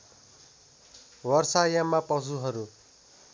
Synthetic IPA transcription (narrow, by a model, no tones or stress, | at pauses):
wʌrsajamapʌd͡zuɦʌɾu